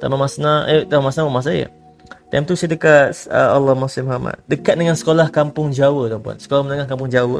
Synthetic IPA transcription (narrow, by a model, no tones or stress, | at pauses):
t̪a̰mamasnãət̪amamasnamamas̬aja̰ | t̪ajmt̪usajadəkat̪əalːɔhmasɪmɦama̰t̪̚dəkat̪̚dəŋansə̥kolahkampʊŋd͡ʒawəd̪ɔmpua̰nsə̥kolamənəŋahkampʊŋd͡ʒawə